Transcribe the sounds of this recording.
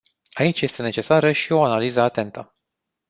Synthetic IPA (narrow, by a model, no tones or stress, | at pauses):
ait͡ʃje̞st̪e̞ne̞t͡ʃe̞saɾəʃio̞analizəat̪e̞nt̪ə